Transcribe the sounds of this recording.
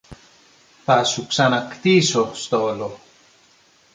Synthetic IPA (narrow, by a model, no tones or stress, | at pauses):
θɐsuksɐnɐkt̪isost̪olo